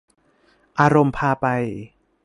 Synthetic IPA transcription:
ʔaː˧ɾo˧mpʰaː˧pa˧j

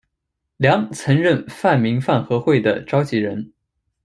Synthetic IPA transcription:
ljɑ˧˥ŋt͡sʰɤ˧˥ŋɻə˥˧nfa˥˩nmi˧˥ŋfa˥˩nxɤ˧˥xwe˥˩ɪd̪ə˩ʈ͡ʂɑ˥ʊt͡ɕi˧˥ɻə˧˥n

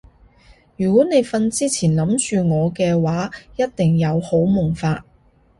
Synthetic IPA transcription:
jyː˨˩kʷɔː˨˥ne˨˧jfɐ˧nt͡siː˥t͡sʰiː˨˩nlɐ˨˥mt͡ʃyː˧ŋɔː˨˧kɛː˧waː˨˥jɐ˥t̚t̪ɪ˨ŋjɐ˨˧who˨˥wmʊ˨˩ŋfaː˧t̚

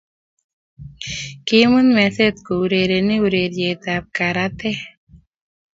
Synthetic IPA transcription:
kɪmu˦nmɛ˨se˦t̪ko˨u˨ɾe˨ɾe˨nɪ˦uɾe˨ɾje˨t̪a˨p̚ka˨ɾat̪ɛ˦

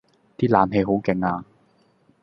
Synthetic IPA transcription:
t̪iː˥laː˨˩mɦe˧jɦo˨˥wkɪ˨˧ŋaː˧

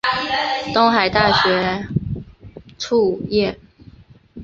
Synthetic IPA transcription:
t̪ʊ˥ŋxa˨˩ɪt̪a˥˩ɕɥɛ˧˥ | ʈ͡ʂʰu˥˧jɛ˥˩

